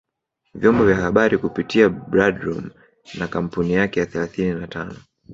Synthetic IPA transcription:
vjɔmbɔvjahaɓaɾikupitiabɾadɾɔm | nakam̩punijakɛjaθɛlaθininatʰanɔ

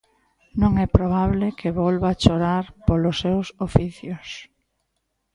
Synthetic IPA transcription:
nõŋɛpɾoβ̞aβlɪkʰeβɔlβat͡ʃoɾaɾpolʊsːewsofiθjʊs

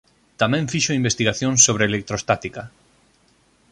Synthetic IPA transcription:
t̪amɛ̃ɱfiʃoimbest̪iɣaθjõŋsoβɾeːlek̚t̪ɾost̪at̪ikɐ

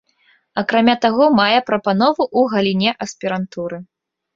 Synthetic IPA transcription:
ɐkɾamʲat̪aɣɔmajɛpɾɐpanɔvuʔuɣɐlʲinʲɛʔɐsʲpʲiɾant̪uɾɨ

